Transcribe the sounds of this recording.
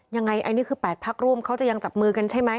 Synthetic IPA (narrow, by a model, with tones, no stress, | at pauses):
ja˧ŋːa˧jʔa˧niː˥˩kʰɯː˧pɛː˨˩t̪̚pʰaː˦˥˩k̚ɾu˥˩əmkʰa˦˥wt͡ɕa˨˩ja˧ŋt͡ɕa˨˩p̚mɯː˧ka˧nt͡ɕʰa˥˩jma˦˥j